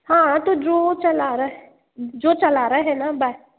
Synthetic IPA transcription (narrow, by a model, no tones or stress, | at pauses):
hãːt̪ud͡ʒoːt͡ʃəlaːɾə | d͡ʒoːt͡ʃəlaːɾəɦɛːnaːba